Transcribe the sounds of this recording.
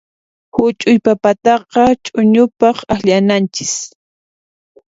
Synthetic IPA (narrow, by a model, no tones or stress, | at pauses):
hʊt͡ʃʼʊjpapat̪ɑqɑt͡ʃʼʊɲʊpɑχaxʎanant͡ʃɪ̥s